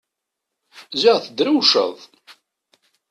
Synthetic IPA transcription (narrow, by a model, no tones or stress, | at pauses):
zəʁθəd̪ɾuwʃə̰ðˤ